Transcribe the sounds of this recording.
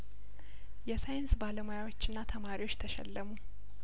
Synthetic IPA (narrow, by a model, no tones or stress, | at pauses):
jɛsajɪnsbaləmojawo̞t͡ʃːɨnːat̪ʰəmaɾiwo̞t͡ʃːt̪ʰəʃɛ̰lːəmu